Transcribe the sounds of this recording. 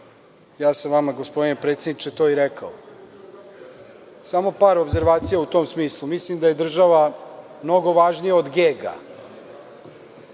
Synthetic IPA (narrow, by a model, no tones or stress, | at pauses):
jaːsamʋamaɡospo̞d̪inepɾeːt̪sed̪it͡ʃet̪o̞ːiɾekao | samo̞paːɾobze̞ɾʋaːt̪sijaut̪o̞ːmsmiːslˠumislimd̪aje̞d̪r̩ʒaʋamno̞ɡo̞ʋaʒnijao̞d̪ɡeːɡa̰